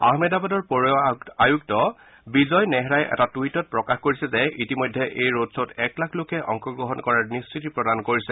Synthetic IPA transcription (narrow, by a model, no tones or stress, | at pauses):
a̰ɦmɛdabadɔɹpɔɹajuk̚tɔ | bizɔjnɛɦɛɹajʔɛ̰tatuitɔt̚pɹɔkaxkoɹisɛzɛitimɔjdʱːɛʔejɹotsɔtɛklakʰlokɛʔɔ̰ŋkɔɡɹɔɦɔnkɔɹaɹnistɹitipɹɔdankoɹisɛ